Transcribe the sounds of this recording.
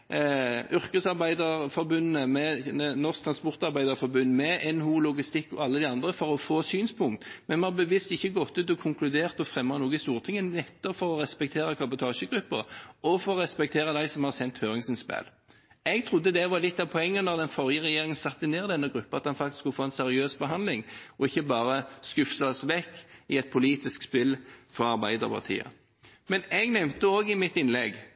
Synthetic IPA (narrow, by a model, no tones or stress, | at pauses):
ʏʁkəsɑʁbæɪd̪əʁfɔɾbʉnəmɛnɔʁsk̚t̪ʰɾɑnspɔʁt̪ɑʁbæɪd̪əʁfɔɾbʉnːmɛʔɛnhuːlʊɡɪst̪ɪkːɔɑlːəd̪ɪɑnd̪ʁəfɔɾɔfoːsyːnspʰʊŋkt̪mɛnmɛɑbəʋɪst̪ɪçːəɡɔt̪ːʉːt̪ɔkʰʊŋklʉd̪eːʁt̪ɔfʁɛmːɑnuːɡəst̪uːʁət̪ʰɪŋːənɛt̪ːɔpfɔɾɔʁɛspɛk̚t̪ʰeːʁəkʰɑbʊt̪ʰɑːʃəɡʁʉpːə̰ʁɔfɔʁɔʁɛspɛk̚t̪ʰeːʁəd̪æɪsɔmhɑsɛnt̪høːʁɪŋsənspæ̰ːl | ɛɡt̪ʰʁʊd̪ːəd̪ɛʋɑʁlɪt̪ːɑʋpʰɔɛŋːənɔʁd̪ɛnfɔʁjəʁɛjeːʁɪŋənsɑt̪ːɪneːʁɪd̪ɛnːəɡʁʉpːəɑt̪̚ɑnfɑk̚t̪ɪskːʊlfoːɛnsɛʁɪøːsbəɦɑnd̪lɪŋɔɪçːəbɑːɾəskʉfsɑsʋɛkːɪɛt̪̚pʰʊliːt̪ɪskspɪlfɔʁɑʁbæɪd̪ə̰ʁpʰɑ̰ʁt̪ʰḭːə̰ | mɛnɛɡnɛmt̪əoːɡɪmɪt̪ːɪnlɛɡ